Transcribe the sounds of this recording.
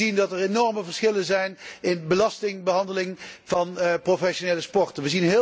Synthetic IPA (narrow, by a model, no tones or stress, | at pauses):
indɑtərenɔɹməvəɹsχɪlənzɛjnɪnbəlɑstɪŋbəɦɑndəlɪŋv̥ɑnprofɛʃonejləspɔɹtənʋəzinɦɪ